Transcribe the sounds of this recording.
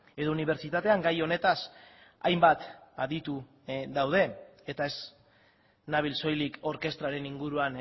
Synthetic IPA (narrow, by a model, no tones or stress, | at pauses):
e̞ðo̞uniβ̞e̞ɾt͡ʃit̪at̪e̞aŋɡajo̞ne̞t̪as | a̰jmbat̪aðit̪u | ðawð̞e̞ | et̪ae̞z | naβilso̞jliko̞ɾke̞st̪ɾaɾe̞niŋɡuɾuan